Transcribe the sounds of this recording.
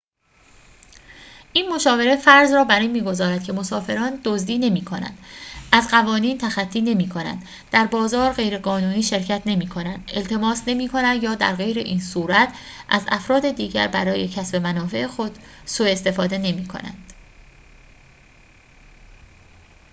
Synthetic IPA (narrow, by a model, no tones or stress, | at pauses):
ʔiːnmo̞ʃɒːve̞ɾefæɾzrɒːbæɾiːnmiːɡo̞zɒːɾæd̪cʰe̞mo̞sɒːfe̞ɾɒːnd̪̥ozd̪iːne̞miːkʰo̞næ̰nd̪̥æzɢævɒːniːnt̪ʰæxæt̪ʰːiːne̞miːkʰo̞næ̰nd̪ | d̪æɾbɒːzɒːɾɢe̞jɾe̞ɢɒːnuːniːʃe̞ɾcʰæt̪ʰne̞miːkʰo̞nænd̪ʔe̞lt̪ʰe̞mɒːsne̞miːkʰo̞næd̪jɒːd̪æ̰ɾɣe̞jɾeʔiːnsuːɾæt̪ʰʔæ̰zæ̰fɾɒːd̪e̞d̪iːɟæ̰ɾbæɾɒːje̞cʰæsbe̞mænɒːfe̞ʔexo̞d̪̥soe̞st̪e̞fɒːd̪e̞ne̞miːkʰo̞̰næ̰nd̪̥